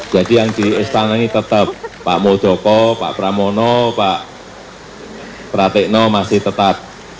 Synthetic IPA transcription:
d͡ʒ̥adijaŋd̥iɪst̪anaŋit̪ət̪əp̚ːa̰ʔmod̥ʒ̥ɔkɔpa̰ʔpɾamɔnɔpaʔ | pɾat̪ɪʔnɔmasɪht̪ət̪ap̚

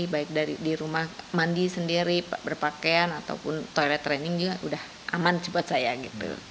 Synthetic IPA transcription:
baɪk̚daɾidiɾumahmandisəndiɾipabərpakeanat̪a̰wupʊnt̪ojlɛt̪ːɾɛnɪŋd͡ʒuɡaʔudah | ʔa̰mansipat̪̚sajaɡit̪ṵ

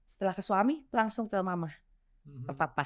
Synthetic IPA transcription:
sə̥t̪əlahkəswamilaŋsʊŋt̪əmamah | k̪əpapa

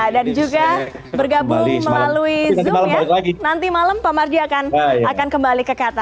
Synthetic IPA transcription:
dand͡ʒuɡa | bərɡabʊŋməlaluizamaləmaalɪklaɡinant̪imaləmpamard͡ʒiakanajakankəmbalikəkat̪a

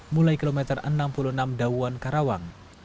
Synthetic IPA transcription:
mulajkilomɛt̪ərə̰nampulunamdauankaɾawaŋ

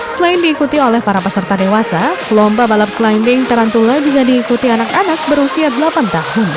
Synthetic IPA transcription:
səlaɪndiːkut̪iolɛhpaɾapəsərt̪adewasalɔmbabalap̚klajndɪŋt̪əɾant̪ulad͡ʒuɡadiːkut̪ianakanak̚bəɾusiadəlapant̪ahʊn

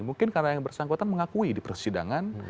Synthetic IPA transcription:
muŋkɪnkarnajaŋbərsaŋkot̪anməŋakuidipərsida̰ŋan

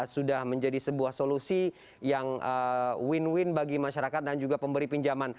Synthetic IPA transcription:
sudahməɲd͡ʒadisəbuahsolusi | jaŋəwɪnwɪnbaɡimaʃaɾakat̪̚dand͡ʒuɡapəmbəɾipiɲd͡ʒaman

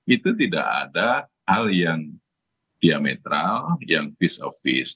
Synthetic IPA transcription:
ʔit̪ut̪ida̰ʔa̰da | haljaŋ | d̥iamḛt̪ɾaljaŋfisɔ̰fɪ̰s

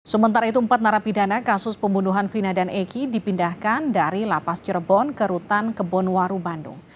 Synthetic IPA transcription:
səmənt̪aɾait̪uəmpat̪̚naɾapidanakasʊspəmbunuɦanfinadanekidipindahkandaɾilapast͡ʃərbɔnkəɾut̪ankəbɔnwaɾubandʊ̰ŋ

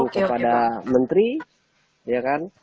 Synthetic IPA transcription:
ŋkəppadamənt̪ɾi | jakan

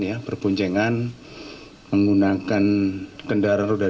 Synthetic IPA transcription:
japərpuɲd͡ʒɛŋan | məŋɡunakankəndaɾanroda

